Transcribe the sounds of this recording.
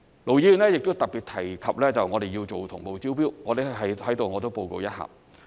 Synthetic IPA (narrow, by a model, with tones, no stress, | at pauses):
lo˨wji˨˥ly˨nlɛː˥jɪ˨k̚t̪o˥wt̪ɐ˨k̚pi˨t̚t̪ʰɐ˨˩jkʰɐ˨p̚lɛː˥t͡sɐ˨wŋɔː˨˧e˨jiː˧wt͡so˨wt̪ʰʊ˨˩ŋpo˨wt͡siː˥wpiː˥wŋɔː˨˧t̪e˨˥ɦɐ˨˥hɐ˨˥jt̪o˨wŋɔː˨˧t̪o˥wpo˧wko̰˧wjɐ˥t̚ha̰ː˨p̚